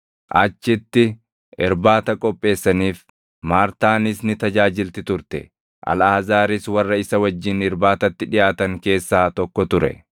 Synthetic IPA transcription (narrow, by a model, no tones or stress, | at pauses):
ʔɐt͡ʃːɪt̪ːɪ | ʔɪɾbaːt̪ɐkʼɔpʼːe̞ːsːɐniːf | maːɾt̪aːnɪsnɪt̪ɐd͡ʒaːd͡ʒɪlt̪ɪt̪ʊɾt̪ɛ̰ | ʔɐ̰laːzaːɾɪswɐrːɐɪsɐwɐd͡ʒːɪnɪɾbaːt̪ɐt̪ːɪᶑɪjaːt̪ɐŋke̞ːsːaːt̪ɔkːɔt̪ʊɾɛ̰